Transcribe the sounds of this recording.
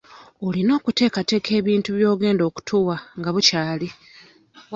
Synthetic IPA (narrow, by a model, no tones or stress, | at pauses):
olino̞ːkute̞ːkate̞ːkʰe̞ːβiːntuβjo̞ːɡe̞ːndo̞ːku̥tʰuwaŋɡaβucaːli